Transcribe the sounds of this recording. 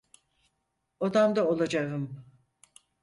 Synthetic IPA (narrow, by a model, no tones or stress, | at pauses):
od̪amd̪aolˠad͡ʒaɣɯm